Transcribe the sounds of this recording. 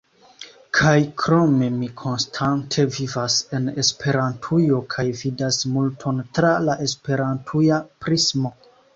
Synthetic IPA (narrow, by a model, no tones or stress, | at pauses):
kʰajkɾo̞me̞mikʰo̞nstʰantʰe̞vivase̞ne̞spʰe̞ɾantʰujo̞kʰajvidasmultʰo̞ntɾalaʔe̞spe̞ɾantʰujapɾismo̞